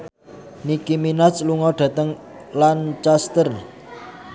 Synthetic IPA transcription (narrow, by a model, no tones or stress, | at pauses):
nikiminasluŋɔɖ̪̥ä̤t̪əŋ | lant͡ʃast̪ərn